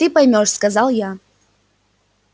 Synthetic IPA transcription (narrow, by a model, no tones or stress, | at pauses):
t̪ɨpɐjmʲoʂskɐzɑlˠja